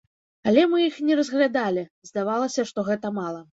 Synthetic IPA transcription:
alʲɛmɨixnʲɛɾɐzɣlʲad̪alʲizd̪avalˠɐsʲɐʂt̪ɔɣɛt̪ɐmalˠɐ

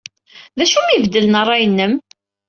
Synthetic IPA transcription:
ðæʃumivd̪ələnərˤːɑjənːəm

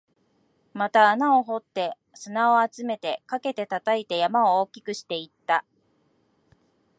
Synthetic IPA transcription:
mat̪aːnao̞ɦo̞t̪ːe̞ | sɨnao̞at͡sɨme̞t̪e̞kake̞t̪e̞t̪at̪ait̪e̞jamaooːkʲi̥kɯ̟ɕi̥t̪e̞it̪ːa

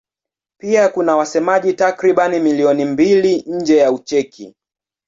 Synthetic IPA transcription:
piakunawasɛmaʄitakɾiɓanimiliɔnimbiliɲ̩d͡ʒɛjaut͡ʃɛkʰḭ

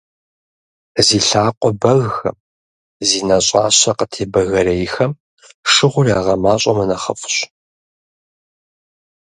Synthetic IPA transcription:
ziːɬaːqʷʼɔbɐɣxɐ̰m | ziːnɐɕʼaːɕɐqətʰeːbɐɣɐɾɐjxɐm | ʂɨʁʷʊraːʁɐmaːɕʼɐmɐnɐχɐfʊ̥ɕ

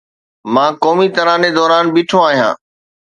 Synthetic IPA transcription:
mãːkɔːmit̪ɐɾãːned̪ɔːɾaːnbiːʈʰoaːɦijã̰ː

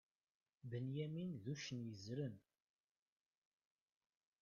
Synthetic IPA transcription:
bənjæminðuʃənjəzɾən

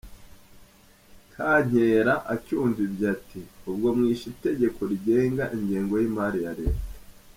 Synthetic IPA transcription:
kʰaɲ̥eːɾaʔacuːɱvibjatiubɡo̞mŋiːʃite̞ɟe̞ko̞ɾiɟe̞ːŋɡaʔiɲɟeːŋɡo̞jimaɾijaɾe̞ːte̥

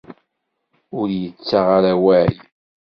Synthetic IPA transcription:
ʊɾjət͡sːaʁaɾawæʕḭ

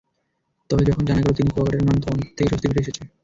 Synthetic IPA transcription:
t̪ɔbed͡ʑɔkʰond͡ʑanaɡelot̪inikoakaʈeɾmand̪ʰʱoont̪ʰːekeʃost̪ʰibiɾeeʃet͡ɕʰe

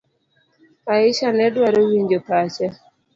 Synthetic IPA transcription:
aɪʃanɛdwaɾowiɲd͡ʒopat͡ʃa

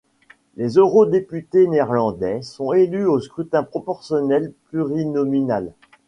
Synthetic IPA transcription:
lezøʁod̪epyt̪eneɛʁlɑ̃d̪ɛsɔ̃elyoskχyt̪ɛ̃pχɔpɔʁsjɔnɛlplyʁinɔminal

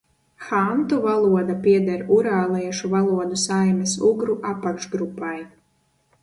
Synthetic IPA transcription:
xant̪uvalˠuɔd̪apiɛd̪aɾuɾaːlˠiɛʃuvalˠuɔd̪usajmɛsuɡɾuʔapːakʃɡɾupːaj

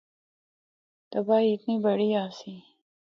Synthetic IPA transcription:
t̪ɐbaːiɪt̪niːbɐɽiːaːsiː

